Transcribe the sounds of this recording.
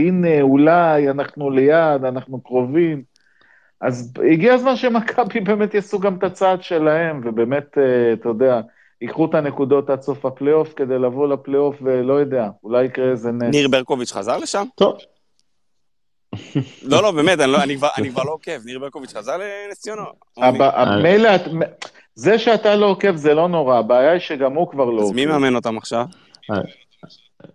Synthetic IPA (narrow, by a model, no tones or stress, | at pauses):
ineulajanaχnule̞jad̪anaχnukʁo̞vim | ʔaziɡiazmanʃemakʰabibe̞ːmet̪jasuɡamt̪at͡sad̪ʃe̞lahe̞mvebe̞ːme̞t̪t̪ajod̪ea | ikχut̪anekud̪o̞t̪at͡so̞faplejo̞fke̞d̪e̞jlavo̞laplejo̞fvelo̞jod̪e̞aulajikʁeezeneniʁbeʁkovit͡ʃχa̰zaʁleʃamt̪ov | lolo̞beːmet̪aniloanikvaʁa̰nikvaʁlookevniʁbeʁkovit͡ʃχazaʁlenesijono | abaʔamejleatme | ze̞ʃeat̪alo̞ke̞fzelo̞no̞ʁaːbaːjaiʃeɡamhukvaʁlomimeameno̞t̪amaχʃav